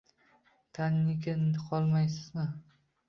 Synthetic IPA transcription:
t̪ʰannɪkʲɪnd̪ɪqʰɒlˠmajsɪzmɪ

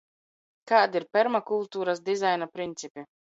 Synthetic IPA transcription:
kaːd̪iɾpʲɛɾmakulˠt̪uːɾasd̪izajnapɾint̪sʲipʲi

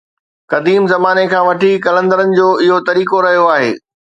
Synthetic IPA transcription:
kɐd̪iːmzɐmaːnekʰãːʋɐʈʰikɐlə̃nd̪əɾənɪ̆d͡ʑoːɪɦot̪ɐɾiːkoɾɐɦijoaːɦḛː

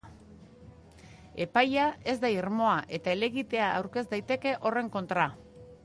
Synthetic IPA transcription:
e̞pajae̞zd̪aiɾmo̞aʔe̞t̪aele̞ɣit̪e̞aːwɾke̞zd̪ajt̪e̞ke̞ʔo̞re̞ŋko̞nt̪ɾa

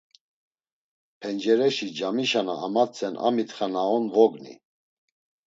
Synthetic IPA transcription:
pʰɛnd͡ʒɛɾɛʃid͡ʒamiʃana̰ːmat͡sʰʼɛnʔa̰mit̪χanaɔnvɔɡnḭ

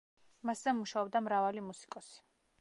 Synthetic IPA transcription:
maszɛmuʃaɔb̚d̪amɾavalimusi̥kʼɔsi̥

